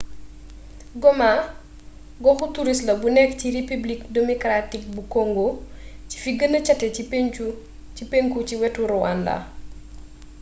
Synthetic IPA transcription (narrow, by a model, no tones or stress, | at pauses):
ɡɔma | ɡɔxutuɾislɐbunɛkciɾipiblik̚demɔkɾatik̚bukoŋɡoci̥fiɡənɐt͡ʃɐtːɛipu | ipeŋkuciwɛtuɾuwa̰nla̰